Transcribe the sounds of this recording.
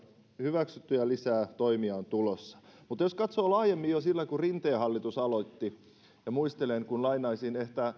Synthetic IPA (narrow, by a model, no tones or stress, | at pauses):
hyʋæksyt̪ːyjælisæːt̪oimiɑont̪ulosːɑ̥mut̪joskɑt̪soːlɑːjemːijjosilːækurint̪eːhɑlːit̪usɑlot̪ːi | jɑmuist̪eleŋkunlɑinɑisineht̪æ